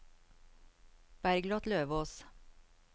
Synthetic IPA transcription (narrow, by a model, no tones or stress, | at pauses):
b̥æɾɡlɑt̪løːʋoːs